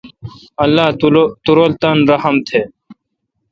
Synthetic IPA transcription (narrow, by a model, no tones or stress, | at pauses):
ɐlːaːt̪uɾolt̪ɐnɾɐhəmt̪ʰeː